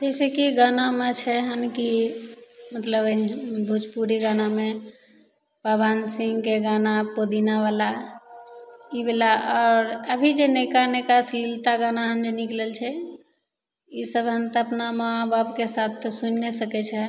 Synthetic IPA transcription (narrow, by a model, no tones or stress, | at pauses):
d͡ʒɛjsekiɡanamet͡ʃʰɛɦənki | mət̪ləbbʱud͡ʒpuɾiɡaname | pəbansĩŋɡkeɡanapod̪inabala | ibelaɔːɾəbʱid͡ʒenekanekasilt̪aɡanaɦənd͡ʒeniklelt͡ʃʰɛ | isəbɦənt̪əpnamaababkesat̪ʰsunːesəkɛt͡ʃʰɛ